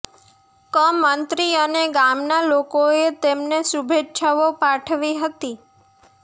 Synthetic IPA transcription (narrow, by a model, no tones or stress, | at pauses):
kəmːənt̪ɾiəneɡamnalokoet̪emnesubʱetːʃaʋopaʈʰʋiɦət̪i